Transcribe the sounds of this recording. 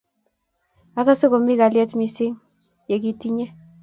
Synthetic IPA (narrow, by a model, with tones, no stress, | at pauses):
a˦ka˦so˦ko˨mi˦ɡa˨ljɛ˦t̪mi˦sɪ˦ŋ | je˨k̬i˦ti˦ɲe˦